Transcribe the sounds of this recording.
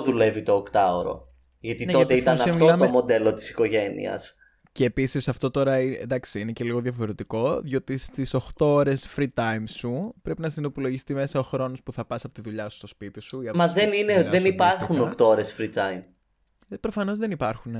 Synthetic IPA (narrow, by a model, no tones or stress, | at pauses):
ðule̞vit̪o̞ːkt̪ɐoɾo̞̰ | ʝɐt̪ineoɐt̪eitt̪ɐnssɐɐmit̪loɐomo̞d̪e̞lo̞t̪i̥si̥ko̞ʝe̞nḭɐ̰s | ceːpisisɐft̪o̞t̪o̞ɾɐind̪ɐksiinece̞liɣo̞ðjʝɐfo̞ɾe̞t̪iko̞ðʝo̞ːt̪ist̪isoxt̪ooɾe̞sfɾit̪ɐjmsupɾe̞pinɐsinopulo̞ʝist̪ime̞sɐo̞xɾo̞no̞spuθɐpɐsɐpo̞t̪iðuʎɐsu̥st̪o̞spit̪isuiɐmɐðenineðenipɐɾxunokt̪ooɾe̞sfɾit̪ɐjm | pɾo̞fɐno̞zðenipɐɾxun